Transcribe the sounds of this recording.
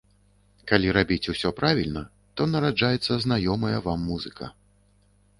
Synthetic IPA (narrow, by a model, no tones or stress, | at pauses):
kalʲiɾabʲit͡sʲusʲɔpɾʔavʲilʲnɐ | t̪ɔnɐɾad͡ʐajɛt̪sːɐznajɔmɐjɐvamːuzɨkɐ̰